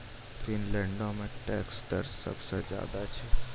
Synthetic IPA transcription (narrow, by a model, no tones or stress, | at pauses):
finlɛ̃ɳɖõmẽʈɛ̰ːksd̪ə̰ɾsə̰bsed͡ʒja̰ːd̪at͡ʃʰe